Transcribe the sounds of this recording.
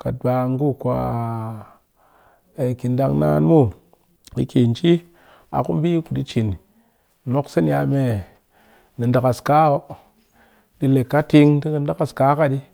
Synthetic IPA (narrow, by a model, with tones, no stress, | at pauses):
ka˨tba˨˧ŋ˦ɡu˦kʷa˨ | e˨ki˨nda˧ŋna̰ː˧˦nmu˦ | kḭ˨˧ki˨nt͡ʃi˦ | a̰˨ku˦m˦bi˦ku˨di˧t͡ʃi˨n˨ | no˦ksɨ˦n˦ja˧me˨ | nɨ˨nda˨ka˨ska˦o˦ | di˧le˨kːa˦ti˧ŋti˦kɨ˧n˦da˦ka˨ska˨˦ka˦di˧